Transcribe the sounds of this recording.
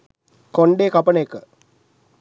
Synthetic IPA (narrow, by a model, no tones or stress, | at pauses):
koɳɖeːkapənekə